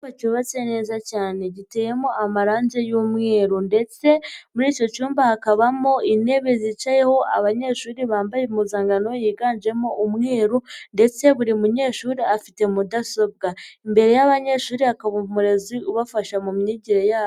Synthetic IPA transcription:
acuβat͡se̞ne̞ːzacaːne̞ɟite̞ːjemo̞amaɾaːnze̞juːmŋe̞ːɾunde̞t͡se̞muɾiːco̞cuːmbahakaβamoine̞βezit͡ʃaje̞ho̞ʔa̰βaɲe̞ʃuːɾiβaːmbajemuzaːŋɡano̞jiːɡaːnd͡ʒe̞mo̞ʔumŋe̞ːɾunde̞t͡se̞βuɾimuɲe̞ːʃuːɾiafite̞mudaso̞b̚ɡaimbe̞ɾe̞jaβaɲe̞ʃuːɾihakaβumuɾe̞ziuβafaʃamumɲiɟiɾejaːβo

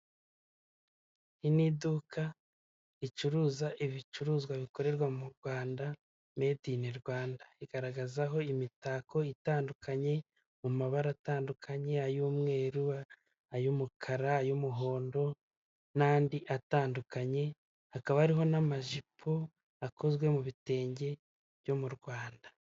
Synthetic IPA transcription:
hinidukʰa | it͡ʃuɾuːzaʔiβit͡ʃuɾuːzɡwaβiko̞ɾe̞ɾɡwamuɾɡwaːnda | me̞diniɾɡwaːndaiɡ̥aɾaɡazaɦo̞imitaːko̞itaːndukʰaɲe̞ | mumaβaɾataːndukʰaɲe̞ajuːmŋe̞ːɾua | ajumukʰaɾaːjumuɦo̞ːndo̞ | naːndiʔataːndukaɲe̞ | hakaβaaɾiɦo̞namaʒipʰo | ako̞zɡwe̞muβite̞ːɲɟe̞ | βjo̞muɾɡwaːndḁ

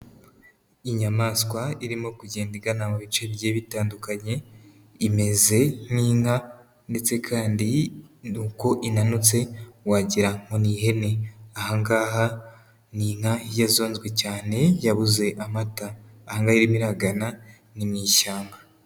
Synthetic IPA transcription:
iɲamaːskwaiɾimokuɟe̞ːndiɡanamuβit͡ʃe̞bje̞ːβitaːndukaɲe̞ | ime̞ze̞niːŋa | nde̞t͡se̞kʰaːndinuːko̞ʔinanut͡se̞waːɟiɾaŋ̥o̞niɦe̞ne̞ahaŋɡaːɦa | niːŋ̥hajazo̞ːnzɡwe̞caːne̞jaβuze̞ʔamataː | haŋɡaiɾimiɾaɡana | nimɲiːʃaːmba

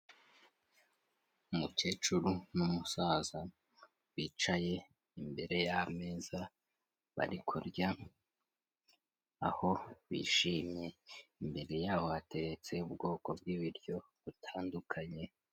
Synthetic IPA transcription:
umuke̞ːt͡ʃuɾunumusaːza | wiːt͡ʃaje̞ | imbe̞ɾe̞jame̞za | βa̰ɾikʰuɾɟa | a̰ho̞βḭʃiːmje̞imbe̞ɾe̞jaːho̞ate̞ɾet͡se̞ubɡo̞ːko̞b̚ɡiβiɾɟo̞ | βutʰaːndukʰaɲe̞

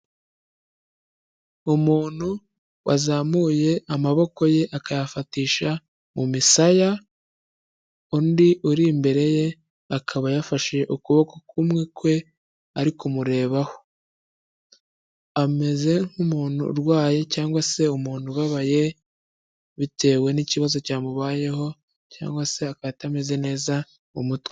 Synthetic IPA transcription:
umuːn̥hu | wʔa̰zamuːje̞amaβo̞ko̞je̞ʔakajafatiːʃa | mumisaja | undiʔuɾimbe̞ɾe̞je̞ | akʰaβajafaʃeʔukuβo̞ko̞kʰumŋekwe̞ | aɾikumuɾe̞ːβaho̞̥ | ame̞ze̞ŋ̥humuːn̥ṵɾwaːje̞caːŋɡwase̞umuːn̥huβaβaje̞ | βite̞ːwe̞niciβazo̞caːmuβaːje̞ho̞ | ca̰ːŋɡwase̞akajatame̞ze̞ne̞ːza | umutwe

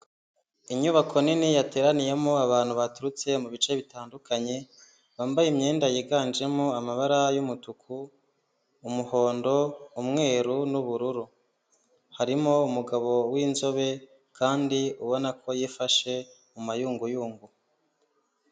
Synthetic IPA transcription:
iɲuβakʰo̞ninijate̞ːɾanije̞moaβaːn̥huβatuɾut͡se̞muβit͡ʃe̞βitaːndukʰaɲe̞ | βaːmbajimɲeːndajiɡaːnd͡ʒe̞moamaβaɾajumutukʰuː | muho̞ːndo̞umŋe̞ːɾunuβuɾuɾu | haɾimoumuɡaβo̞wiːnzo̞βe̞ | kʰaːndiuβo̞nakʰo̞jifaʃe̞ | mumajuːŋɡujuːŋɡu

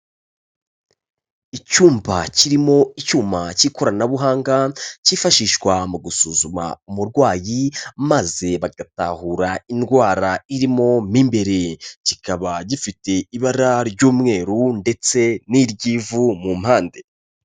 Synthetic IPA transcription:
icuːmbaciɾimo̞icuːmbaciko̞ɾanaβuɦaːŋɡaciːfaʃiʃwamuɡusuːzuma̰umuɾɡwaːjimaze̞βaɡatahuɾainɡwaːɾaiɾimo̞miːmbe̞ɾe̞cikaβaɟifite̞iβaɾaɾɟuːmŋe̞ːɾunde̞t͡se̞niɾɟivumumhaːnde̞

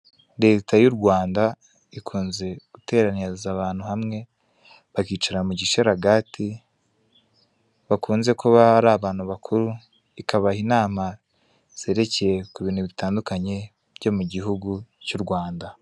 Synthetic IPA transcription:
ɾe̞ːtajuɾɡwaːnda | ikʰuːnze̞ɡ̥ute̞ːɾanizaβaːn̥huhamŋe̞ | βakiːt͡ʃaɾamuɟiʃeɾaɡaːti | βakʰuːnze̞koβaɾaβaːn̥huβakʰuɾu | ikaβainaːma | z̥e̞ːɾe̞ceje̞kuβiːnhuβitaːndukaɲe̞ | bɟo̞muɟiɦuɡucuɾɡwaːnda

